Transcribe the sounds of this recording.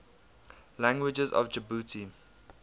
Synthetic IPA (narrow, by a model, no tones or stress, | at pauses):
læ̃ŋɡwɪd͡ʒəzɔ̰vd͡ʒəbutʰi